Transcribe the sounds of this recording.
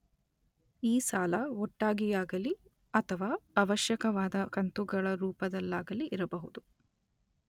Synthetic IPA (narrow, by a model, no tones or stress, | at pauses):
iːsaːlɐɔʈːaːɡijaːɡɐli | ɐt̪ʰɐʋaːɐʋɐʃjɐkɐʋaːd̪ɐkɐnt̪uɡɐɭɐɾuːpɐd̪ɐlːaːɡɐliʔiɾɐbɐɦud̪u